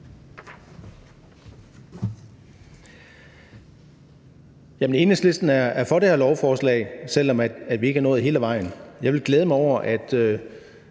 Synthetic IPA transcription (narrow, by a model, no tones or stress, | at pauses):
jæmene̝ːnəsle̝sd̥n̩æɐæɐfɒ̽ɾ̥ehæɐlɒʊfɒːslɛ̰ɪsel̰ɒ̽mæd̥ʋie̝ɡ̥ə̥hɑɐnɔ̽ːð̩ˠɦe̝ːləʋɑ̈ɪ̰n̩jɑ̈ɪʋe̝lɡ̥leːð̞ˠmɑɪɒʊ̰ɐʔæd̥ø